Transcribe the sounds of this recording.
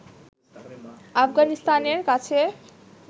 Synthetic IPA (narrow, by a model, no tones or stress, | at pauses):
afɡanist̪aneɾkat͡ɕʰe